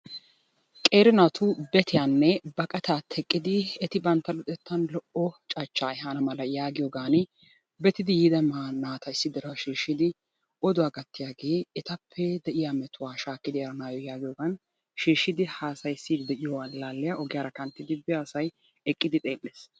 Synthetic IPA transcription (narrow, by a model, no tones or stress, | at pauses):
kʼe̞ːɾɪnaːt̪ʰʊbɛt̪ɪjanːɛbɐkʼɐt̪aːt̪ʰːɛkʼːɪd̪ɪɛt̪ɪbɐnt̪ːɐlɔt̪ʼɛt̪ːɐnlɔʔɔt͡ʃʼɐt͡ʃːaːɛɦanɐmɐlɐjaːɡɪjoːɡaːn | bɛt̪ɪd̪ɪjid̪ɐmanaːt̪ɐɪsːɪd̪ɛɾɐʃeːʃːɪd̪ɪ | ɔd̪ʊwaːɡɐt̪ːɪjaːɡe̞ːɛt̪ɐpʰːɛd̪ɛʔɪjamɛt̪ʊwaːʃaːkːɪd̪ɪɐɾɐnaːjɔjaːɡɪjoːɡaːn | ʃeːʃːɪd̪ɪhaːsɐjsːiːd̪ɪd̪ɛʔɪjɔwalaːlːɛjaʔɔɡɪjaːɾɐkɐnt̪ːɪd̪ɪbɪaːsɐj | ɛkʼːɪd̪ɪt̪ʼe̞ːlʼːeːs